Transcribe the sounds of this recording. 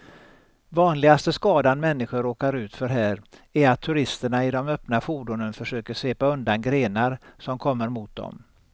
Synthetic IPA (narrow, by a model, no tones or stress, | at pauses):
vɑːnlɪɡast̪əskɑːd̪anmɛnːɪɧəɾoːkaɾʉ̟ːt̪fœɾɦæːɾæɾat̪ʰːɵɾɪst̪əɳaɪd̪ɔmœpnafuːd̪ʊnənfœʂøːkəseːpaɵnd̪anɡɾeːnaɾsɔmkʰɔmːəɾmʊt̪̚d̪ɔ̰m